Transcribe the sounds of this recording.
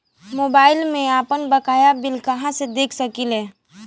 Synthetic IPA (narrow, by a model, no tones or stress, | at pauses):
moːbaːɪlmẽaːpənbɐkaːjabɪlkɐɦãsed̪eːkʰsɐkilɛː